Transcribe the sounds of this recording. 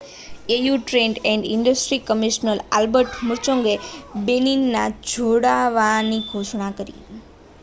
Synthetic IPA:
ejuʈɾẽɳɖɛ̃ɳɖiɳɖəsʈɾikəmiʃnəla̰lbəɾʈmʊɾt͡ʃõŋɡebeninːad͡ʒʱoɽaʋaniɡʱoʃɳakəɾḭ

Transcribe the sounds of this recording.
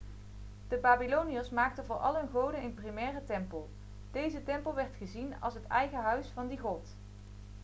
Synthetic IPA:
d̥əbaːbilowniəsmaːk̚tənvʊːɹʔɑ̰lˠɦɵnχowdənənprimɛːrətɛmpəlˠ | d̥ejzətɛmpəlˠʋɛɹtχəzinɑ̰lˠsɦətɛjɣəɦœɥsfɑndiχɔt

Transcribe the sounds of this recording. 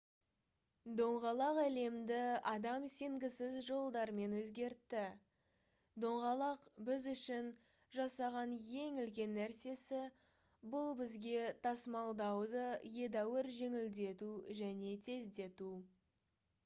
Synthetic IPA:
d̪o̞ɴʁɑlˠɑqæle̞md̪ɪɑd̪ɑmse̞ŋɡʲɪsɪzʒo̞lˠd̪ɑɾme̞nwɵzɡʲe̞ɾt̪ːɪ | d̪o̞ɴʁɑlˠɑqbɪzʏʃɪn | ʒɑsɑʁɑnje̞ŋʏlkʲe̞nːæɾse̞sɪ | bʊlˠbɪzɡʲe̞t̪ʰɑsmɑlˠd̪ɑwd̪əje̞d̪æwɪɾʒe̞ŋɪld̪e̞t̪uʒæne̞t̪ʰe̞zd̪e̞t̪u

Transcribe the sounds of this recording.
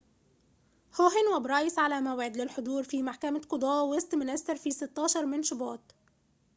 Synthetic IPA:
hoɦɪnwæbɾˤɑːjɪsʕalæmæwʕɪd̪lɪlħod̪ˤuːɾfiːmaħkæmaqʊd̪ˤɑːwɪst̪mɪnʔæsːɑɾˤfiːsɪt̪ːɑːʃɑɾˤmɪnʃʊbɑːt̪

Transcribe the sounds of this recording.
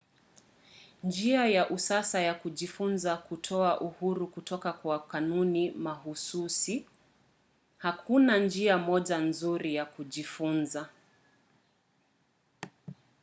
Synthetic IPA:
nd͡ʒiajaʔusasajakuʄifunzakutʰɔaʔuhuɾukutɔkakwakanunimahususi | hakʰunand͡ʒiamɔʄanzuɾijakuʄifunza

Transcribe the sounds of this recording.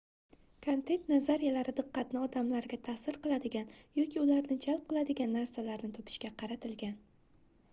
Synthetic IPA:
kʰont̪ʰe̞nt̪nazaɾijalaɾɪd̪ɨqːɑt̪nɪɒd̪amlaɾɡʲat̪ʰasɪɾqɨlˠad̪ɪɡʲanjɒkʲʰiʊlaɾnɪd͡ʒalp̚qʰɨlˠad̪ɪɡʲanːaɾsalaɾnɪt̪ʰopʰɪ̥ʃkʲaqʰɑɾat̪ʰɪlɡʲan

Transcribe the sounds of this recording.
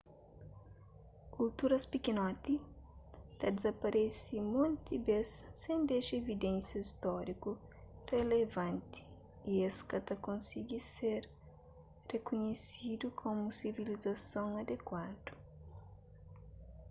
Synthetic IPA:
kult̪uɾɐspikinɔt̪i | t̪ɐd̪ezɐpɐɾesimõnt̪ibesːẽñd̪eʃɐevid̪ɛ̃nsjɐist̪ɔɾiku | relevɐ̃nt̪i̥ | ieskɐt̪ɐkõnsiɡiseɾ | rekuɲesid̪ukʰõmusivilizɐsõŋɐd̪ekwad̪u

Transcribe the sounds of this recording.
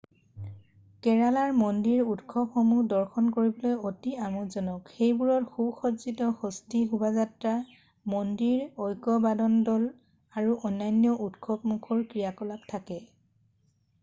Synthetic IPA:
kɛɹalaɹmɔndiɹudkʰɔpxɔmudɔɹxɔnkoɹibɔlojotiamuzɔnɔkxejbuɹɔtxubxɔtzitɔxɔstiɦubazatɹa | mɔndiɹojkɔbadɔndɔl | aɹuʔɔnːajnjɔʔutkʰɔp̚mukʰɔɹkɹijakɔlap̚tʰakɛ

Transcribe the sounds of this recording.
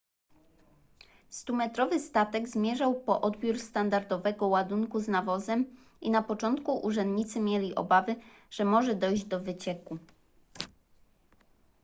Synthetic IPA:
st̪umɛt̪ɾɔvɘst̪at̪ɛɡzmʲjɛʐawpɔʔɔd̪bʲjuɾst̪and̪aɾd̪ɔvɛɡɔwad̪uŋkuznavɔzɛm | inapɔt͡ʂɔnt̪kuʔuʐɛnd̪ɲit̪sɘmʲjɛlʲiʔɔ̰bavɘ | ʐ̥ɛmɔʐɛd̪ɔjʑd͡ʑd̪ɔvɘt͡ɕɛku

